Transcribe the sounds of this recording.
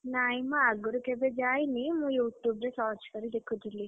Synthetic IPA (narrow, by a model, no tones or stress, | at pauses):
naːjmɐːɡuɾukebed͡ʒaːjinimũːjuːʈjuːbɾesaːt͡ʃkɐɾid̪ekʰːut̪ilːi